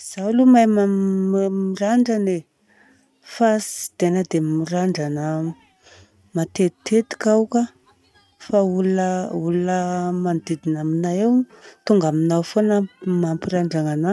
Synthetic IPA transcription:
z̥alumajma | miraɳɖ͡ʐane | fasi̥d̪̥enəd̪emiraɳɖ͡ʐanə | mat̪et̪i̥t̪ʰet̪i̥kawka | fauləuluəmand̪id̪inaminaew | t̪uŋɡaminawfonəmampiɾaɳɖ͡ʐaŋana

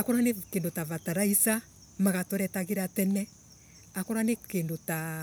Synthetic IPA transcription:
akɔɾanekeːndotaβataɾaisa | maɣatɔɾɛtaɣeɾatɛnɛ | akɔɾanekendota

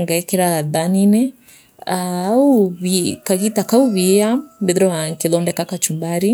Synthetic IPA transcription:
ŋɡaɛkɛɾaðaninɛ | auβikaɣitakauβiambɛðɾɔaŋkiðɔndɛkakat͡ʃumbaɾi

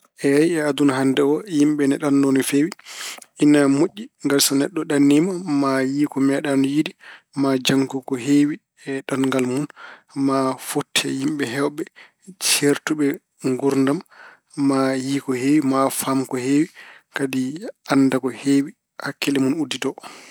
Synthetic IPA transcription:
ʔɛajɛadunaɦandɛɔjimɓɛnɛɗanːonifewiinːamoʔʲːiŋɡalsɔnɛɗːɔɗanːimamajiːkɔmɛɗanɔjidi | mad͡ʒaŋkukɔɦeːwi | ɛɗanŋɡalmun | mafotʰːɛjimɓɛɦɛwɓɛ | t͡ʃeɾtuɓɛ | ŋɡuɾndamː | ajiːkɔheːwimafamkɔhewikadianːdakɔhewi | hakːilɛmunudːitɔ

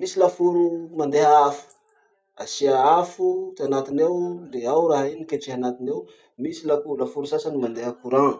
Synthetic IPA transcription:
misilafuɾumand̪eɦaafu̥ | asiaafut̪eanat̪inewleawɾaɦinikeʈ͡ʂeɦanat̪inew | misilafuulafuɾusasanimand̪eɦakuɾã

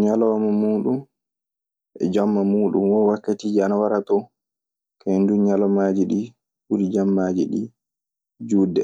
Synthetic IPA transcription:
ɲalɔamamuːɗum | ʔɛ̰d͡ʒɔmːamuːɗṵmwɔwakːatiːd͡ʒianawaɾatɔ | kʰanduɲalɔmad͡ʒiɗi | buɾid͡ʒamːaːd͡ʒiɗi | d͡ʒuːdɛ

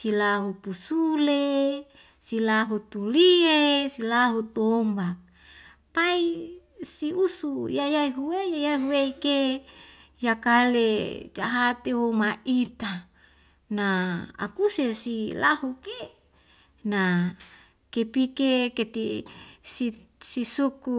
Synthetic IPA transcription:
silaɦupusule | silaɦut̪uliesilaɦut̪ombak̚ | pai | siusujajaiɦuwejajaiɦuweike | jakaled͡ʒaɦat̪ewomaʔit̪a | naa̰kusesilahuke | na | kepikeket̪isi | sisuku

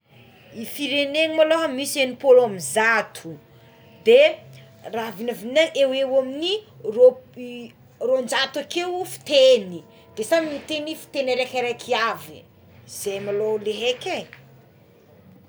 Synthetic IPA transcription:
ifiɾeneŋimaloɦamisenipolamizat̪ʰu̥ | d̪e | ravinavinaʔewewamini | ro | rond͡ʒat̪akewfi̥t̪eni | d̪̥esamiit̪enifi̥t̪enaɾakaɾakʰiavi | z̥ejmaloleɦeke

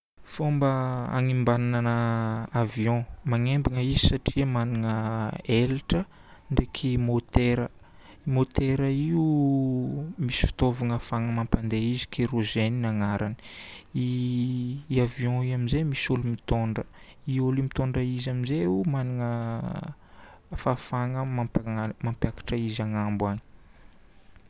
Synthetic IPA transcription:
fombəa̰ŋimbanananəaviɔ̃maŋembiŋəizisaʈ͡ʂiəmaniŋəelʈ͡ʂə | ɳɖ͡ʐekʰimot̪eɾə | imot̪eɾəiu | misi̥fi̥t̪ovaŋəfaŋəmãmpand̪eizi̥kʰeɾoʒeninaŋaɾʔani̥i | avjɔ̃iamizemisulumit̪oɳɖ͡ʐə | iulimit̪oɳɖ͡ʐəizamizeumaniŋə | fafaŋəmampamampjakḁʈ͡ʂəizaŋambwaɲi̥

